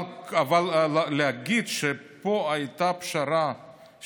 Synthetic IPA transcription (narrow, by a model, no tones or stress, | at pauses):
avalːeaɡid̪ʃepoajt̪apʃaɾa